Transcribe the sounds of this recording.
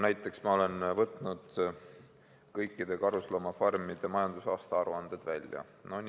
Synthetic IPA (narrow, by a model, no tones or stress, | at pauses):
næjt̪ːˑe̞ksmɑo̞le̞nvɤt̪ːˑnud̪̥ | kɤjkːˑid̪e̞kɑɾuslɑmɑfɑrmid̪̥emɑjɑnd̪̥usɑːst̪ɑɑɾuɑnd̪̥e̞d̪̥vælʲjɑ̰ | nonʲ